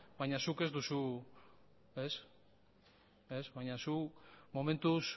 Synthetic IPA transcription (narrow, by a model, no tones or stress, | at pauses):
baɲasuke̞zd̪usu | es | esβajɲasumomẽ̞nt̪us